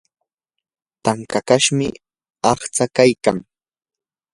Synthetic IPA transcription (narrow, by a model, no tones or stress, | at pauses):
t̪aŋkakaʃmɪ | ɑχt͡sakajkaŋ